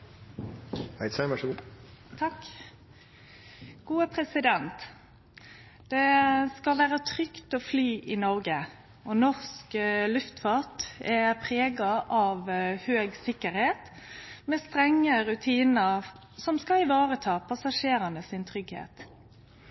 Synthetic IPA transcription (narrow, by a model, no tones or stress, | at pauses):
hæɪsɛʋæʂəɡuːt̪ʰɑk | ɡ̥uːəpʰʁɛsɪd̪ɛnt̪ | d̪̥ɛskɑlʋæːʁət̪ʰʁʏkt̪ɔflyːʔɪnɔʁɡə | ɔnɔʁsklʉft̪fɑːt̪ɛpʰʁeːɡɑʔɑʋhøːɡsɪkːəɾheːt̪ | mɛst̪ʁɛŋːəʁʉt̪ʰiːnəʁ | sɔmskɑɪʋɑːʁət̪ʰɑːpʰɑsɑʂeːɾənəsɪnt̪ʰʁʏɡhḛːt̪